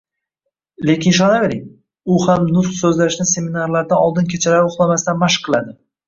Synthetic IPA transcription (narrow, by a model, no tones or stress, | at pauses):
le̞kʲʰɪnʃ̬ɒnave̞ɾɪŋ | ʊhamnʊt̪χsɵzlaʃnɪse̞minaɾlaɾd̪anɒlˠd̪ɪnkʲʰe̞t͡ʃʰalaʊχlˠamast̪anmaʃqʰːɨlˠad̪ɪ